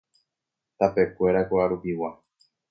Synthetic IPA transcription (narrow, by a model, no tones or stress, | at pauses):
t̪ape̞kʷe̞ɾakoaɾupiwa